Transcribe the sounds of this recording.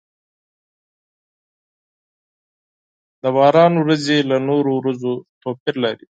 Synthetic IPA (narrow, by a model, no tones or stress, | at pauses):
d̪əbɑːɾɑːnwɾazelanoːɾowɾazot̪oːpɪɾlaɾi